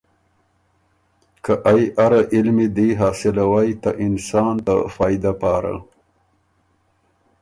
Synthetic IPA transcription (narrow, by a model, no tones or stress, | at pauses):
kaʔajʔaɾaʔɪlmid̪iɦɑːsɪlawajt̪aʔɪnsɑːnt̪a̰fɑːjd̪apɑːɾa̰